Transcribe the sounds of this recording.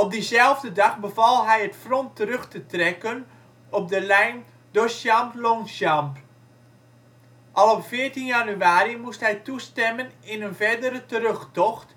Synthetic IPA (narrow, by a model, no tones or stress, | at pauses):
ɔp̚dizɛlˠvdədɑxbəvɑlˠɦɛjətfrɔntərɵxtətrɛkən | ɔp̚dəlɛjn | doʃjamploŋsjamp | ʔɑlˠɔpfɪːɹtinjanyaːɾimustɦɛjtustɛmənɪnənvɛɹdəɾətəɾøxtɔxt